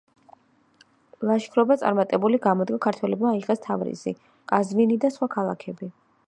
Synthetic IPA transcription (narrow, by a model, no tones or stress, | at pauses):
lˠaʃkʰɾɔbat̪sʼa̰ɾmat̪ʼɛbuliɡamɔd̪ɡakʰaɾt̪ʰwɛlɛbmaːiʁʼɛst̪ʰavɾḭzḭ | kʼazminid̪asχwakʰalˠakʰɛbi